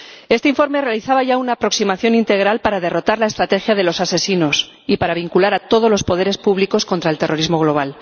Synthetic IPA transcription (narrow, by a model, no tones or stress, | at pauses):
e̞st̪eiɱfo̞ɾme̞realiθaβaʝaunaːpɾo̞ksimaθjo̞nint̪e̞ɣɾalpaɾað̞e̞ro̞t̪aɾlae̞st̪ɾat̪e̞xjaðe̞lo̞sase̞sino̞s | ipaɾaβiŋkulaɾat̪o̞ðo̞zlo̞spo̞ð̞e̞ɾe̞spuβliko̞sko̞nt̪ɾae̞lt̪e̞rʔo̞ɾizmo̞ɣ̞lo̞β̞al